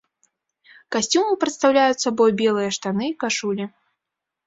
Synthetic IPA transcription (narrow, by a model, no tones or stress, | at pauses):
kasʲt͡sʲumɨpɾɨt̪st̪awlʲajut̪sabɔjbʲɛlˠɨjɐʂt̪anɨikaʂulʲi